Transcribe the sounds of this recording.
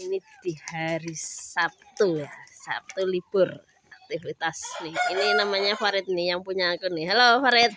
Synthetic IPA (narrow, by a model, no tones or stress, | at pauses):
inid̪̥i̤haɾiap̚t̪ujasa̰p̚t̪ulib̥ʊr | ʔak̚t̪ifit̪asnɪininamaɲafaɾɪt̪̚nɪjaŋpuɲakunɪɦalofaɾɪt̪̚